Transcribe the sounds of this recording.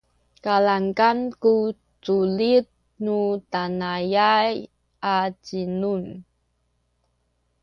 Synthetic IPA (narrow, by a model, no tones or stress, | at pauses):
kalaŋkanku | t͡sulit̚ | nutanajaj | at͡ɕinun